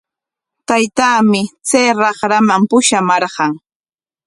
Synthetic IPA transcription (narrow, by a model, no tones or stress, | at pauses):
t̪ajt̪aːmɪt͡sajɾɑχɾamampʊʃamɑɾɢɑŋ